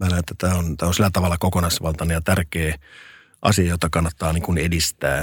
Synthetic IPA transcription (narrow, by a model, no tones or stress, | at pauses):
mænæet̪ːæt̪æːont̪æːonsilːæt̪ɑʋɑlːɑkokonɑsʋɑlt̪ɑnejɑt̪ærkeː | ʔɑ̰siɑjot̪ːˑɑkɑnːɑt̪ːɑːniːŋkunedist̪æ̰ː